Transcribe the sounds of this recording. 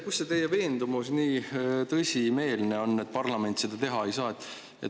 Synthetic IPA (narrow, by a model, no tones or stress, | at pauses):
kusːet̪e̞jeve̞ːnd̪umusniːt̪ɤsʲime̞ːlne̞o̞nːet̪̚ːˑpɑrlɑme̞nʲt̪se̞d̪̥ɑt̪e̞ɦɑe̞jsɑːet̪ːˑ | ḛt̪